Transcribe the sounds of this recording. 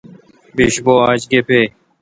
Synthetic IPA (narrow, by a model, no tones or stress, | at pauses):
biɕboːaːd͡ʑɡeːpʰeː